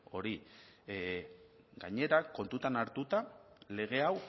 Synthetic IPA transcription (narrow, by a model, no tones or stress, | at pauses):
o̞ɾi | ɡaɲe̞ɾako̞nt̪ut̪anaɾt̪ut̪ale̞ɣ̞e̞aw